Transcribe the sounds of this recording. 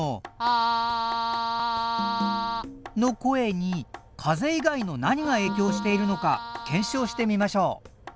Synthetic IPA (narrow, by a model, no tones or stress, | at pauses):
no̞ko̞e̞ɲ̟ikʰaze̞iɡaino̞naɲ̟iɡae̞ːkʲo̞ːɕi̥t̪e̞iɾɯ̟no̞ka̰kʰẽ̞ɰ̃ɕo̞ːɕi̥t̪e̞mʲimaɕo̞ː